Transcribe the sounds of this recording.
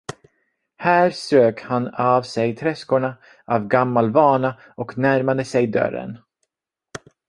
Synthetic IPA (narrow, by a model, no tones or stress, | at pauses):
hæːɾsɾøːkhanavsɛjt̪ʰɾɛskʊɳa | ʔavɡamːalvɑːɳa | ɔknæɾmad̪əsɛjd̪œ̰ɾə̰n